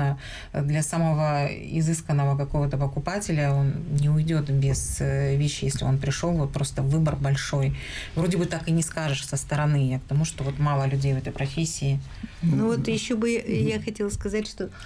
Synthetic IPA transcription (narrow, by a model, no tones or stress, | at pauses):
ə | d̪lʲɐsaməvəɪ̰zɨskənːəvəkɐko̞vət̪əpəkʊpatʲɪlʲəo̞nnʲɪʊjdʲo̞t̪bʲɪzvʲeɕːɪjesʲlʲɪ̰o̞npɾʲɪʂo̞lˠvo̞t̪̚pɾo̞st̪əvːɨbərbɐlʲʂo̞j | vɾo̞dʲɪbɨt̪akɨnʲɪskaʐɨʂsəst̪əɾɐnɨjak̚t̪ɐmuʂt̪o̞vo̞t̪malˠəlʲʉdʲejvɛt̪əjpɾɐfʲesʲːɪː | nuvot̪jɪɕːobɨjaxɐtʲelˠəskɐzatʲʂt̪o̞